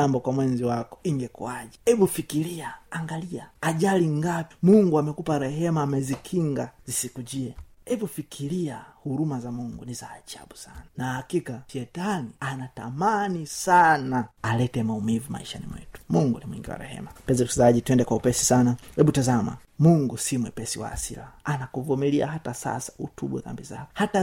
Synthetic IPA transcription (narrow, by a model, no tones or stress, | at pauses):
ambɔkwamwɛnziwakɔ̥iŋɡɛkuaʄihɛvufikiliaaŋɡaliaaʄaliŋɡapimuŋɡuamɛkupaɾɛɦɛmaːmɛzikʰiŋɡazisikuʄiɛɛvufikʰiliahuɾumazamuŋɡunizaːʄa̰ɓusananahakikafɛtanianatamanisanaalɛtɛmaumivuma̰iʃanḭmwɛ̰tu̥muŋɡunimwiŋɡiwa̰ɾɛ̰hɛ̰mapɛzɛusizaʄitwɛndɛkwaupɛsi̥sanahɛɓutazama̰ | muŋɡusimwɛpɛsiwa̰ːsḭlaːnakuvumilia̰ɦatasa̰sḁutuɓwɛ̰θa̰mbiza̰kɔhata